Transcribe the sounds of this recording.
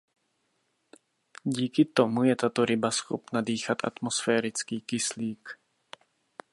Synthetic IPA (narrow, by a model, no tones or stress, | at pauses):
ɟiːkɪt̪o̞mujɛt̪at̪o̞ɾɪbasxo̰pnadiːxat̪ʔa̰t̪mosfɛːɾɪt͡skiːkɪsliːk